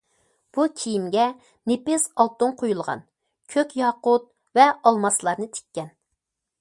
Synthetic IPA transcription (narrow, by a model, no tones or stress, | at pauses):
b̥ukʲʰijimɡʲɛ | nepɪsɑlˠt̪uŋqʰojulˠʁɑ̰n | kʲʰøkʲjɑːqʊt̪̚ | vɛɑlˠmɑslˠɑɾnɨt̪ʰe̥kʲːɛn